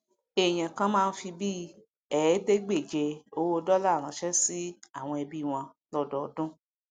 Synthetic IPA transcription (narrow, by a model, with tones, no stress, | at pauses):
e˨j̃ã˨kã˦mãː˦˧n̩˦fi˧bi˦ | ɛ˨˦de˦ɡ͡be˦˨d͡ʒe˧o˧˦wo˧dɔ˦la˦˨ɾ̃ã˨ʃɛ˦si˦a˦˨w̃ɔ̃˧ɛ˧bi˦˨w̃ɔ̃˧ | lɔ˦˨dɔ˨ɔ˧dũ˦